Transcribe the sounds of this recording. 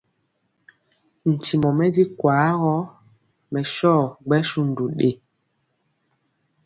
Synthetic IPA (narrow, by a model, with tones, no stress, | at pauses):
n̩˨ti˨mɔ˨mɛ˦di˦kwaː˨˦ɣɔ˦ | mɛ˨ʃɔ˦˨ɡ͡bɛ˦ʃu˦n̩˨du˨ɗḛ˦˨